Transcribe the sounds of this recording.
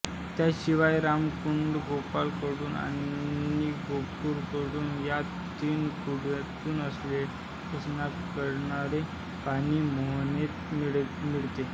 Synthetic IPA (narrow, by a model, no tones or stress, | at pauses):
t̪jaɕiʋajɾamkuɳɖɡʱopalkəɽuːna̰niːɡʱopuːɾkəɽuːnja | t̪iːnkuɽat̪uːnəsle | əsnakkəɾɳaɾe | paɽ̃iːmoɦnet̪miɭmiɭt̪e